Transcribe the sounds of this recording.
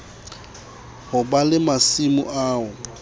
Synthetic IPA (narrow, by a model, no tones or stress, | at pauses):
hʊbalɪmasimʊ̰ʔaːʊ